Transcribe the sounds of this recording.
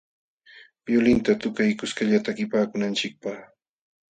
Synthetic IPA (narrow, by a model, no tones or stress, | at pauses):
jʊlɪnt̪at̪ʊkajkʊskaʎat̪akɪpaːkʊnant͡ʃɪk̚paχ